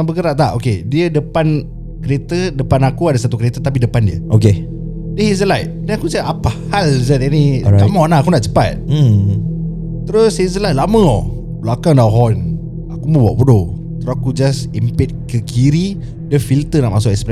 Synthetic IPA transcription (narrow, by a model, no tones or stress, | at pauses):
abəkəɾaʔ̚t̪aʔokediədəpan | kəɾet̪ədəpanakuadasat̪ukəɾet̪ət̪ap̬idəpandiə̰ʔoke | dəhizəlajt̪̚danakusaapahalzətaniamãɔnaakunaʔt͡ʃə̥pa̰t̪̩̚ | t̪əɾʊsizəlajt̪̚lamə̃ɔ | bəlakaŋdaɦɔn | akumə̃ba̰ʔbudo | t̪əɾoakud͡ʒasimpet̪̚kəkiɾi | dəfilt̪ənaʔmasʊkɛkspɾɛ